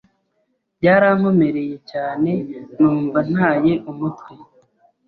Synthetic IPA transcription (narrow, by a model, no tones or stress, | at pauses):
bɟaːɾam̥omeɾe̞je̞caːne̞nuːɱvan̥haːje̞ʔumutwe